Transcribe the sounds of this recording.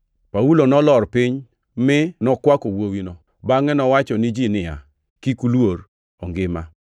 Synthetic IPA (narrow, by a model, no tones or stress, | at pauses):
pawulonɔlɔrpiɲ | mɪnɔkwakowowino | baŋɛnɔwat͡ʃɔnɪd͡ʒinɪja̰ | kikulwoɾ | ɔŋɡɪma